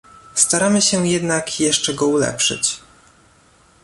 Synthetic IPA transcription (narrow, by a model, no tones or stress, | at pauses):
st̪aɾamɘɕɛjɛd̪nakjɛʂt͡ʂɛɡɔulɛ̰pʂɘ̰t͡ɕ